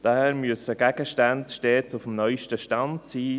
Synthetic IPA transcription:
d̥amyəsəɡ̥æɡ̥əʃtantʃteːt͡sufmnœʏʃtəʃtɑntsiː

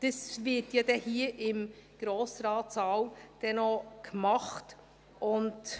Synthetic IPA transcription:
d̪̥əsvɪtjɑd̥ɛhiːəʔɪmɡ̥ɾoːsɾɑːtsɑwd̥ɛnɔkmɑχt | ʔʊnt

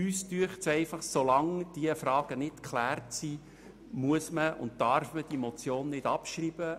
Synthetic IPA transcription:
yːstyəχtsɛɪfɑχsolɑŋd̥iəfɾɑːɡ̥ənɪtkχlæːrtsi | muəsməʊ̰nt̚tɑɾfməd̥imɔt͡sjoːnːɪd̥ɑpʃrib̥ə

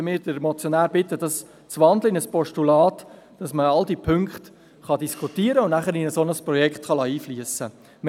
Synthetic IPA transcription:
mɪːɾdəɾmɔt͡sjɔnæːɾb̥ɪt̪ːəd̥ɑs | t͡sʋɑnd̪ləɪnəspɔʃtulɑːt | d̥ɑsməɑld̪ipʰʏŋkχt̪ | χɑdiskʰutiːəɾəʊnnæχəɾɪnəsonəspɾɔjɛkχtχɑlɑiːfliəsə | m

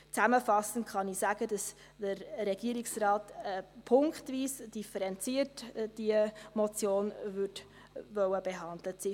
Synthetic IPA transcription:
t͡sæməfɑsəntχɑnisæɡ̥əd̥ɑs | d̥əɾɾɛɡ̥iəɾiksrɑːtəpʰʊŋkχtviːsd̥ifəɾɛnt͡siətd̥iəmɔt͡sjoːnvʏt | ʋœwəb̥eɦɑndlət͡si

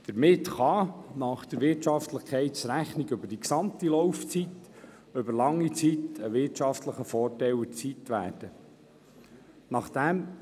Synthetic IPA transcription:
d̥̪əɾmɪt̪χɑnɑχd̥̪əɾʋɪɾtt͡ʃɑft̪ləχkʰɛɪtt͡sɾæχniɡɵbəd̥iksɑmt̪ilɔwft͡sit̪ | ɵbəɾlɑŋːit͡sit̪əʋɪɾtʃɑftləχəfɔːtɛwət͡sitʋæ̰ːrd̥ə | nɑχd̪̥æm

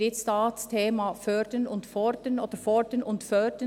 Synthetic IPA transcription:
ɪtstɑːtstʰeːmafœɾdənʊntfɔɾdənoːd̥əfɔɹdənʊntfœd̥ə

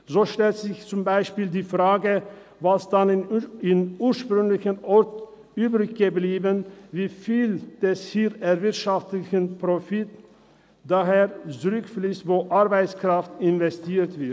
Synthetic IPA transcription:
zoːʃtɛltz̥ɪçt͡sʊmbaɪʃpiːldiːfʁ̥aːɡə | vasd̥anɪnuːɐʃpʁʏŋlɪçənʔɔʁt | ʔyːbʁɪçɡ̥əbliːbənviːfiːld̥ɛshiːɾɛvɪɐtʃaftlɪçənpʁofɪt | d̥aɦeːt͡suʁʏkfliːstvoːʔaʁbaɪt͡skʁ̥aftɪnvɛstʰiːtv̥ɪt

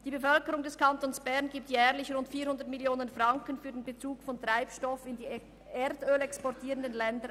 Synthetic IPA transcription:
d̥iːbefœlkəʁʊŋdɛskantonsb̥ɛʁnɡiːp̚tjɛːʁlɪçʁʊntfiːhʊndətmɪljoːnənfʁaŋkənfyːɐdeːnbet͡suːkfɔntʁ̥aɪpʃtɔfɪndiː | eːɾdøːlɛkspɔtʰiːʁəndənlɛndə

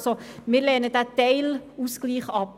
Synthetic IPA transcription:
somɪːɾlɛːnədætɛɪluːsɡ̥liːχɑp

